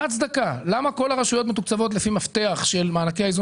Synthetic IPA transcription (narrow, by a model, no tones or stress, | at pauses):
atsd̪akalamako̞laʁaʃujo̞t̪met̪ukt͡savo̞t̪̬lefimaft̪e̞aχʃe̞lmaːnakeaizu